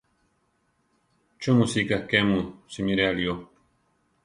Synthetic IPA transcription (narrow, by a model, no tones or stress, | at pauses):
t͡ʃumũsikakemũsimiɾealio